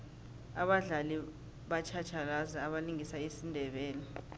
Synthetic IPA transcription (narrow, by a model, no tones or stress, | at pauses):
aɓaɮali | ɓat͡ʃʰat͡ʃʰalazaːɓaliŋisaisindʱɛɓɛːlɛ